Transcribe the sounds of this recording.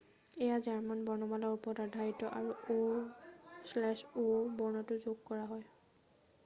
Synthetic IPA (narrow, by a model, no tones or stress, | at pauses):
ɛjazaɹmanbɔɹnɔbalɔupɔtadʱaitːɔʔaɹuo | slɛʃobɔɹnɔtʊzoɡkɔɹaɦɔj